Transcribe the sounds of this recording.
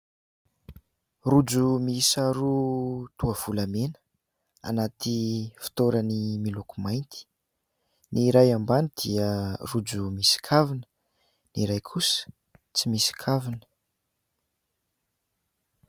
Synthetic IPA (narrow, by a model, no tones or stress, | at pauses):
rud͡zumisaɾut̪uəv̥ulamenə̥ | a̰nat̪ʰifi̥t̪oɾənimilokumajnt̪i̥ | niɾajambanid̪̥iərud͡zumisi̥kʰavinə̥ | niɾajkʰusə̥ | t͡simisi̥kʰavinə̥